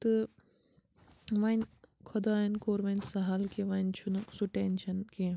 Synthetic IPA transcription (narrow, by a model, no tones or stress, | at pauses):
t̪ɨ | ʋɐnkʰɐd̪aːɐnkoːɾʋɐnsɐɦaːlkeʋɐnt͡ʃʰunɐsuʈent͡ʃʰɐnkeː